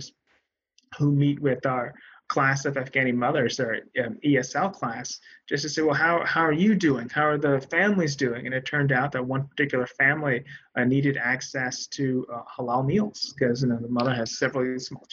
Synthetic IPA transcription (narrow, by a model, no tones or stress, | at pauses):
z̥ | humit̚wɪðə˞kʰl̥æsʌvæfɡ̥æ̃ɾ̃imʌðə˞z̥ə˞iɛsɛlˠkʰl̥æsd̥ʒ̥ʌstɨseɪwɛlˠɦaʊhaʊə˞jɨdʉɪ̃ŋhaʊə˞ðəfæ̃mlizdʉɪ̃ŋɨ̃nɨtʰɜ̃˞ndaʊt̪̚ðɨt̚wʌ̃npʰə˞tʰɪkjl̩ˠə˞fæ̃mliniɾɨɾæksɛstʰɨhəlalˠmilˠz̥kʰʌzjɨnoʊðəmʌðə˞ɨz̥sɛvɹl̩ˠsmɔlˠ